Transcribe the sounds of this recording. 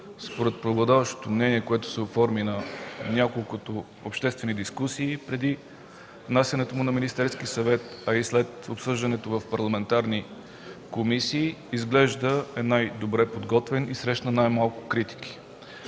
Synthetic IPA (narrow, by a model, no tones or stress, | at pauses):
spoɾɛt̪̚pɾoɡlˠɐd̪avəʃt̪o̥t̪omnɛniɛkoɛt̪ʊ̥sɛofɔɾminɐnʲakolˠkʊt̪o | opʃt̪ɛst̪vɛnid̪iskusiːpɾɛd̪i | vnasʲjɐnɛt̪omʊnɐminist̪ɛɾskisɐvɛt̪ɐislɛt̪opsɤʒd̪ɐnɛt̪ovɐfpɐɾlˠɐmɛnt̪aɾni | komisiːizɡlɛʒd̪əɛnajd̪obɾɛpod̪ɡɔt̪vɛnisɾɛʃnənajmalˠkʊ̥kɾit̪i̥ki̥